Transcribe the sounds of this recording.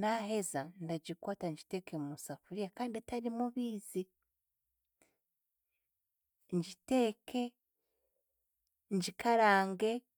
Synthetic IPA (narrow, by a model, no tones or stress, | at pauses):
naɦe̞zandaɟikwaːtaɲɟite̞kemusafuɾijakaːndietaɾimuβiːzi | ɲɟite̞ːkʰe̞ | ɲɟikʰaɾaːŋɡe̞